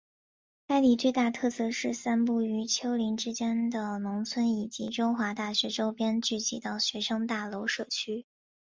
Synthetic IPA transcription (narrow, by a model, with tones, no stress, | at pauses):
ka˥ɪli˨˩t͡swe˥˧ɪt̪a˥˧t̪ʰɤ˥˧sɤ˥˧ʂɻ̩˥˩sa˥npu˥˩y˧˥t͡ɕʰjo˥ʊli˧˥ŋʈ͡ʂɻ̩˥t͡ɕjɛ˥nd̪ə˨nʊ˧˥ŋt͡sʰwə˥ni˨˩t͡ɕḭ˧˥ʈ͡ʂʊ˥ŋxwa˧˥t̪a˥˩ɕɥɛ˧˥ʈ͡ʂo˥ʊpjɛ˥nt͡ɕy˥˩t͡ɕi˧˥t̪ɑ˥˩ʊɕɥɛ˧˥ʂɤ˥ŋt̪a˥˩lo˧˥ʊʂɤ˥˩t͡ɕʰy˥